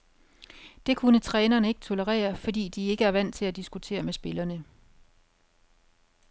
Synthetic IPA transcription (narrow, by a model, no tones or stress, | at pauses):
d̥e̝kʰunət͡sʰʁɛːnɐnəe̝ɡ̥ət͡sʰo̝ləʁɛ̰ːɐfɒ̽dḭːd̥ie̝ɡ̥əæɐʋæn̰t͡sʰe̝læd̥isɡ̥ut͡sʰe̝̰ːɐmesb̥e̝lɐnə